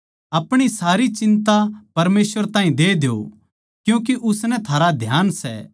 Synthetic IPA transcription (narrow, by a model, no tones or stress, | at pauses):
ɐpɽ̃isaːɾit͡ʃɪ̃nt̪apɐɾmeːsʋəɾt̪ãːɦĩd̪eːd̪eo̰ | kjũːk̬eʔʊsnɛt̪ʰaːɾad̪ʱjaːnsɛ̰